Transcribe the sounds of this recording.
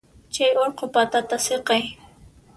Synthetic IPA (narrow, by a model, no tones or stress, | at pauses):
t͡ʃajoɾqopat̪at̪aseqɑj